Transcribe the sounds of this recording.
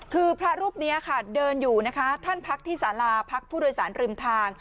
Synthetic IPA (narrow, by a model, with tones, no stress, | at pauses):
kʰɯː˧pʰɾa˦˥ɾuː˥˩p̚ni˦˥ʔa˨˩kʰa˥˩dɤː˧njuː˨˩na˦˥kʰa˦˥t̪ʰa˥˩npʰa˦˥k̚t̪ʰiː˥˩saː˩˦laː˧pʰa˦˥k̚pʰuː˥˩doː˧jsaː˩˦nɾɯː˧˩mt̪ʰaː˧ŋ